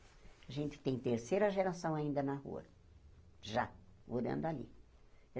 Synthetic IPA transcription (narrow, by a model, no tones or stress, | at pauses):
aʒẽnt̪ɪ̥t̪ẽj̃t̪eɾsejɾɐʒeɾasɐ̃w̃aĩnd̪ɐnahṵɐ̰ | ʒavod̪ɐ̰̃nd̪alḭ